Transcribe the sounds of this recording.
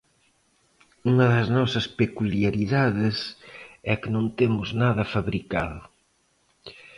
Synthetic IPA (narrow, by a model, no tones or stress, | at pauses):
uŋɐðɐznɔsɐspekuliaɾiðaðɪsɛkɪnõnt̪emʊznaðɐfaβɾikað